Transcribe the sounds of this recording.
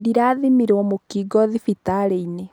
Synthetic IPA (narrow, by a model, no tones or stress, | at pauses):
diɾaːðimiɾwɔmokiɡɔðifitaɾeine